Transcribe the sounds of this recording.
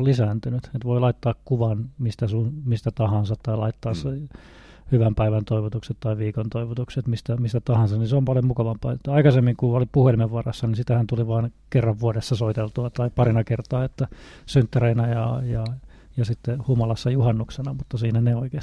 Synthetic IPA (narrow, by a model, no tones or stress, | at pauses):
lisæːnt̪ynyt̪et̪ʋoilɑit̪ːɑːkkuʋɑnmist̪æsunmist̪æt̪ɑhɑnsɑt̪t̪ɑilɑit̪ːɑːse | hyʋæmpæiʋænt̪oiʋot̪ukset̪t̪ɑiʋiːkont̪oiʋot̪ukset̪mist̪æmist̪æt̪ɑhɑnsɑtniseompɑljomukɑʋɑmpɑːet̪ːæɑikɑsemːiŋkuolipuhelimeʋʋɑrɑ̰sːɑninsit̪æhænt̪uliʋɑːnkerːɑʋʋuoɾesːɑsoit̪elt̪uɑt̪ɑipɑrinɑkert̪ɑːet̪ːæsynt̪ːæreinæjɑjɑ | jɑsit̪ːehumɑlɑsːɑjuhɑnːuksenɑmut̪ːɑsiːnæneoikeːs